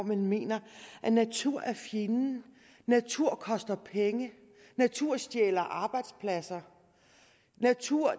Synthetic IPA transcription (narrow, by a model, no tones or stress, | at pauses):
mənme̝̰ːnɐʔænæt͡sʰuɐ̰ʔæɐfjinn̩ | næt͡sʰuɐ̰kʰɒ̽sd̥ɐpʰeŋə | næt͡sʰuɐ̰sd̥jeːlɐʔɑ̈ːb̥ɑ̈ɪd̥spʰlæsɐ | næt͡sʰuɐ̰